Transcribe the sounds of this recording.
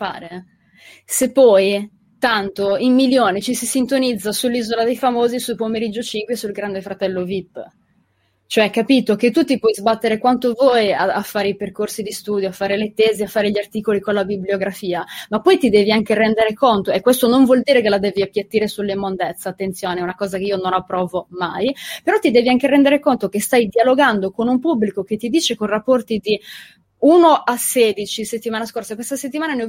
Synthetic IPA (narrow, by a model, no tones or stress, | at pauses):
pa̰ːɾe | sepːɔj | t̪ant̪oimːiljoːnet͡ʃisisint̪onid̪zːasulːizolad̪ejfamoːzisupomeɾid͡ʒːot͡ʃiŋkwesulɡɾand̪efɾat̪ɛlːovipː | t͡ʃoɛkːapiːt̪ok̟et̪ːut̪ipwɔjzbat̪ːeɾekwant̪ovɔjaafːaːɾeiperkorsid̪ist̪uːd̪joafːaːɾelet̪eːzeafːaːɾeʎiart̪iːkolikonlabibljoɡɾafiːamapːɔjt̪id̪ɛːviaŋkeɾɛnd̪eɾekont̪oɛkːwest̪onoɱvwɔld̪iːɾekelad̪ɛːviapːjat̪ːiːɾesulːimːond̪et̪sːaːt̪ːent̪sjoːneɛunakɔːzakeiːononapːɾɔːvomajpeɾɔt̪ːid̪ɛːviaŋkeɾɛnd̪eɾekont̪ok̟est̪ajd̪ialoɡand̪okonumpubːlikok̟et̪ːid̪iːt͡ʃekonrapːɔrt̪id̪i | uːnoʔasɛːd̪it͡ʃiset̪ːimaːnaskorsakwest̪aset̪ːimaːnane